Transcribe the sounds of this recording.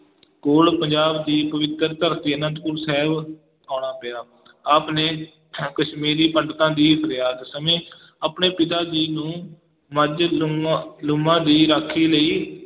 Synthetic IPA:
koːɽpəɲd͡ʒaːbd̪iːpəʋɪt̪ːəɾt̪əɾt̪iːənə̃nt̪kʊɾsɛːb | aːɳaːpɪjaː | aːpneː | kəʃmiːɾiːpəɳɖt̪ãːd̪iːpʰəɾjaːd̪səmẽː | əːpneːpɪt̪aːd͡ʒiːnũː | məd͡ʒ | lʊmãːd̪iːɾaːkʰːiːləiː

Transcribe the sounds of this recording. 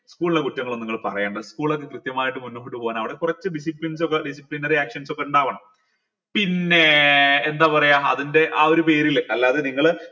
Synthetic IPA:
skuːɭiɽekutːɐŋːɐɭonːiŋːɐɭpɐrɐjaːɳɖɐðskuːɭo̞kːe̞krɨt̪jɐmaːjiʈːɨmunːoɦiʈːupoːjaːnɐʋiɽekurɐt͡ɕːɨɖis̬iplins̬okːeɖisiplinɐriaːkʂɐnso̞kːeuɳɖaːʋaːɳɐm | pinːe̞ːnd̪aːpɐrɐjaːɐ̰ðinde̞ʔaːo̞ɾupe̞ːɾileɐlːaːðeniŋːɐɭ

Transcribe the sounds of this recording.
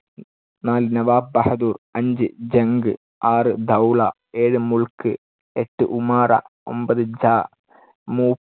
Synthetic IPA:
naːlɨnɐʋaːb̚bɐhɐd̪uːrɐɲd͡ʑɨd͡ʑɐŋɡɨ | aːrɨd̪ʱɐwɭɐ | eːɻɨmuɭkɨ | eʈːɨʔumaːrɐ̰ | o̞̰mbɐðɨd͡ʑaː | muː

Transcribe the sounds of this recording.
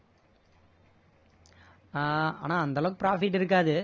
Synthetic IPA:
aa̰ːnaːɐnd̪ɐloːkːɯpɾaːfɪʈːɪɾɯk̬ːaːðɯ

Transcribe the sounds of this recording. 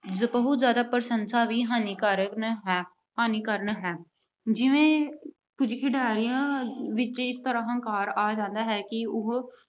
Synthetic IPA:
bəɦʊt̪zjaːd̪aːpəɾsənsaːʋiːɦaːniːkaɾəkɦɛː | ɦaːniːkəɾənɦɛː | d͡ʒɪʋẽː | pʊd͡ʒkʰiɖaːɾijãːʋɪt͡ʃɪst̪əɾãːɦə̃ŋkaːɾaːd͡ʒãːnd̪aːɦɛːkɪʊɦ

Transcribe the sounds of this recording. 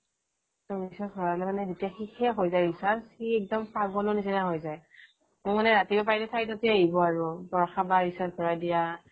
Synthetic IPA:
tɔɹisasɔɹalɛmanɛzetijaxixɛɦojzaɹisasxiɛk̚dɔmpaɡɔlɔnisinaɦojzaj | mʊmanɛɹatibɛp̬aɹitɛtʰajtotiaibɔaɹubɔɹxabaɹisabɔɹadija

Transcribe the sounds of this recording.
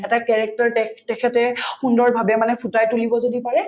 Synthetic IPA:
ɛtakɛɹɛk̚tɔɹtɛtɛkʰɛtɛxundɔɹbʱabɛmanɛpʰutajtulibɔzodipaɹɛ

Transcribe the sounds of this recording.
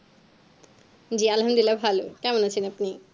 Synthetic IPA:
d͡ʑialɦamd̪ilabʱalokɛmonat͡ɕʰinapni

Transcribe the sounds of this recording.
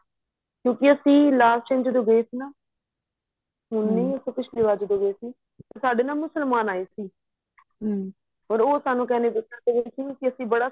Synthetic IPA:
kjõːkɪəsĩːlaːst͡ʃẽːɲd͡ʒd̪oːɡəiːsiːnaː | ɦʊnːiːəsõːpɪt͡ʃʰliːʋaːɾd͡ʒd̪oːɡəeːsiː | t̪asaːɖeːnãːmʊsəlmaːnaːeːsiː | ɔːɾoːsaːnũːkɛːneːbɪsəɾd̪eːɡəiːsiːkɪəsĩːbəɽaː

